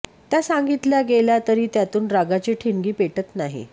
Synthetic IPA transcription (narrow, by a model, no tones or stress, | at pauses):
t̪jasaŋɡit̪ljaɡeljat̪əɾiːt̪jat̪uːnɾaɡat͡ɕiʈʰiŋɡiːpeʈət̪naɦḭ